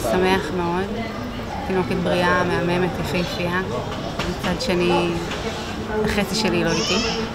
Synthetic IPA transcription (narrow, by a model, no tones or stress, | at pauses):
same̞aχmeo̞d | t̪ino̞ket̪̚bʁiameame̞met̪jafejfia | mit͡sadʃeni | aχet͡siʃeliloit̪i